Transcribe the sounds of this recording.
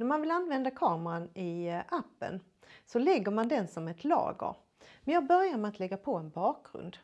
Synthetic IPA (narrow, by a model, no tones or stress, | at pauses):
næɾmanvɪlanːvɛnd̪akʰɑːməɾanɪʔapːə̰n | sɔlɛɡːəɾmand̪ɛnsɔmæɛt̪ʰlɑ̰ːɡə̰ɾ | mɛnjɑːbœɾjaɾmɛat̪ʰlɛɡːapʰɔɛnbɑːk̚ɾɵ̰nd̪